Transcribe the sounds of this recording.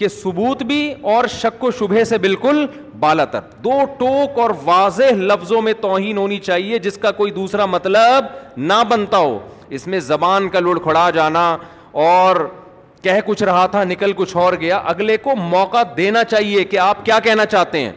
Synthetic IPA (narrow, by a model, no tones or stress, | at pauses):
kesʊbuːt̪bʱiɔːɾʃɐkːoʃʊbʱesebɪlkʊl | baːlat̪ɐ̰ɾd̪oːʈoːkɔːɾʋaːzeɦlɐfzõmẽt̪ɔːɦiːnɦoːnit͡ʃaːɦied͡ʒɪskakoːid̪uːsɾamɐt̪ləbnɐbɐnt̪aɦo̰ː | ɪsmẽzɐbaːnkalʊɽkʰʊɽad͡ʒaːna | ɔːɾ | kɛːɦkʊt͡ʃʰɾɐɦat̪ʰanɪkəlkʊt͡ʃʰɔːɾɡɐjaʔɐɡlekomɔːqad̪eːnat͡ʃaːɦiekeaːp̚kjaːkɛɦnat͡ʃaːɦt̪eɦɛ̰̃ː